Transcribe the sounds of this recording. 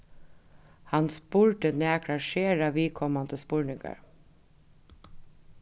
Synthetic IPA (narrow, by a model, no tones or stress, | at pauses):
hɑnspuɹʈəneːkʰɾɑʃeːɾɑʋiːkʰɔmɑnd̪əspuːɹɳɪŋɡɑ̰ɹ